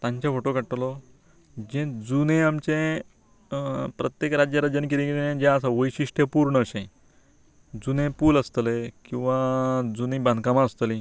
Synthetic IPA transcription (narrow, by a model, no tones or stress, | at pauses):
t̪ãɲt͡ɕjafoʈokəɽʈlɔ | d͡ʑẽd͡zunẽamt͡ɕẽ | pɾət̪jekɾad͡ʑjəɾəd͡ʑjənk̬iɾĩɡelenẽd͡ʑãəsaʋəjɕiʂʈjepuɾɳəɕẽ | d͡zunẽpuːləst̪əlekĩw̃ʋad͡zunẽbãnd̪ʱkamãəst̪əlĩ